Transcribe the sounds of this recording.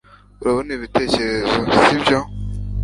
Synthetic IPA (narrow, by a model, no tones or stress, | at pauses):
uɾaβoniːβite̞ːce̞ɾe̞zosibjo